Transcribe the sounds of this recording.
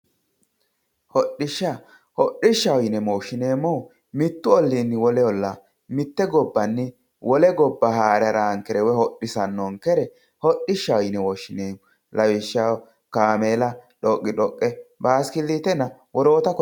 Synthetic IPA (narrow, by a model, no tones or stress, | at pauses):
hɔɗːɪʃːa | hɔɗːɪʃːɐwjɪnɛmoːʃːɪneːmːɔ | mɪt̪ːʊɔlːinːɪwɔlɛɔlːa | mɪt̪ːɛɡɔbːɐnːɪ | wʔɔlɛɡɔbːɐhaːɾɐɾaːŋkɛɾɛwɛhɔɗːɪsɐnːɔŋkɛɾɛ | hɔɗːɪʃːɐwjnɛwɔːʃːɪneːmɔ | lɐwɪʃːa | kaːmeːlɐᶑɔkʼːɪᶑɔkʼːɛbaːskɪlːit̪ɛnɐwɔɾo̞ːt̪ɐkɔ